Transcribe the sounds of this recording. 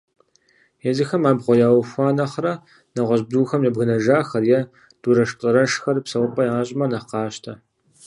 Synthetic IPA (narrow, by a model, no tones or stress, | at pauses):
jɛzɨxɐmaːbʁʷɔjaːwfʷaːnɐχrɐ | nɐʁʷɔʑbduːxɐmjɛbɣɨnɐʒaːxɐrjɛ | d̥uːɾɐʃtʼɐɾɐʂxɐrpsɐwpʼɐjaːɕʼɪmɐnɐqɑːʃtʰɐ